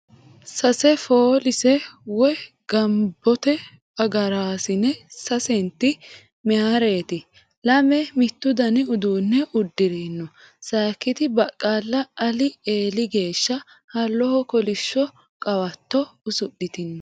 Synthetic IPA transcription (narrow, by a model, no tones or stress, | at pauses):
sɐsɛfoːlɪsɛwɔ | ɡ̥ɐmbːɔt̪ɛ | ɐɡɐɾaːsɪnɛsɐsɛnt̪ːɪ | mɛhaɾe̞ːt̪ɪ | lɐmɛmɪt̪ːʊd̪ɐnɪʊd̪uːnːɛʔʊd̪ːɪɾiːnːɔ | saːkːɪt̪ɪbɐkʼːaːlːɐʔɐlɪeːlɪɡe̞ːʃːɐ | hɐlːɔhɔkɔlɪʃːɔ | kʼɐwɐt̪ːɔʊsʊɗɪt̪ɪnːɔ